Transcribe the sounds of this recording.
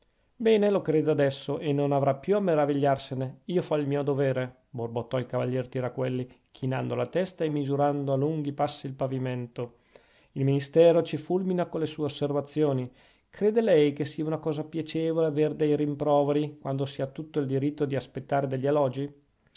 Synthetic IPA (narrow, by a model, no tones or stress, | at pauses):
bɛːnelokɾeːd̪ead̪ɛsːoʔenonavɾapːjuameɾaviʎːarseneiːofailmiːod̪oveːɾe | borbot̪ːɔilkava̰ʎːɛːrt̪iɾakwelːi | k̟ʰinand̪olat̪ɛst̪aemːizuɾand̪oaluŋɡ̟ipasːiːlpaviment̪o | ilminist̪ɛːɾot͡ʃifulminakolesuːeosːervat̪sːjoːni | kɾeːd̪elɛjkesːiaunakɔːzapjat͡ʃeːvoleaverd̪ɛjɾimpɾɔːveɾikwand̪osiat̪ːut̪ːoild̪iɾit̪ːod̪iaspet̪ːaːɾed̪eʎːialɔd͡ʒi